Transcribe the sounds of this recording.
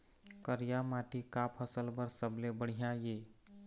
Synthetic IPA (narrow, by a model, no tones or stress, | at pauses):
kəɾijamaʈikapʰəsəlbəɾsəblebəɽ̤ijãje